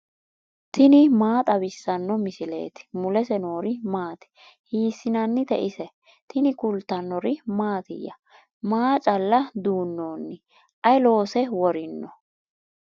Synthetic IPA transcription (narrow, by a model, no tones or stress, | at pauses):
t̪ɪnɪmaːt̪ʼɐbɪsːɐnːɔmɪsɪle̞̰ːt̪ɪ̥mʊlɛsɛno̞ːɾɪmaːt̪ɛ̥ | hiːsːɪnɐnːɪt̪ɛʔɪsɛ | t̪ɪnɪkʊlt̪ːɐnːɔɾɪmaːt̪ɪ̰jːɐ | maːt͡ʃʼɐlːɐd̪uːnːoːnːɪ | ʔɐjlo̞ːsɛwɔɾɪnːɔ